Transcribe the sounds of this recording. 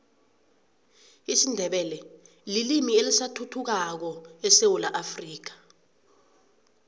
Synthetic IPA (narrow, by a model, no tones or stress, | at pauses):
isindʱɛɓɛlɛ | lilimielisatʰutʰuk̬ak̬ɔɛsewulaʔafriːk̬ḁ